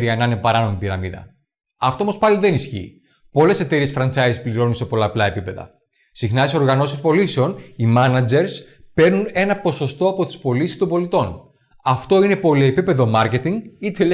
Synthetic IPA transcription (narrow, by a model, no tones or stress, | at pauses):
ɾiɐenɐnepɐɾɐno̞mipiɾɐmiðɐ̰ | ɐft̪o̞mospɐliðe̞nisçḭː | po̞le̞se̞t̪e̞ɾiesfɾɐnt͡sɐjzispliɾo̞nunse̞po̞lɐːplɐe̞pipe̞ðɐ̰ | sixnɐt̪iso̞ɾɣɐno̞sispo̞liseo̞nimɐnɐd͡ze̞ɾs | pe̞ɾnune̞nɐpo̞so̞st̪o̞ɐpo̞t̪i̥spo̞lisi̥st̪ombo̞lit̪o̞n | ɐft̪o̞ine̞po̞lie̞pipe̞ðo̞mɐɾce̞t̪iŋɡit̪el